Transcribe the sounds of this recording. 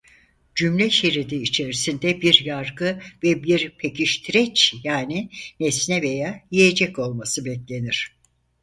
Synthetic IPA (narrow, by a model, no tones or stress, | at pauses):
d͡ʒymlʲɛʃiɾid̪iːt͡ʃʰe̞ɾisind̪ɛbiɾjaɾɡɯvɛbiɾpʰecʰiʃt̪ʰiɾɛt͡ʃjaːninɛsnɛvejaːjije̞d͡ʒɛco̞lˠmasɯbɛclʲe̞niɾ̝̥